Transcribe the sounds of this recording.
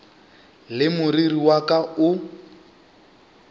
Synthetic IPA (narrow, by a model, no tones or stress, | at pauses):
lɪmʊririwakʼaʊ